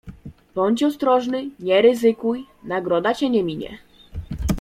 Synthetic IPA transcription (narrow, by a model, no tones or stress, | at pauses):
b̥ɔɲt͡ɕɔst̪ɾɔʐnɘɲɛɾɘzɘkuj | naɡɾɔd̪at͡ɕɛɲɛmʲiɲɛ̰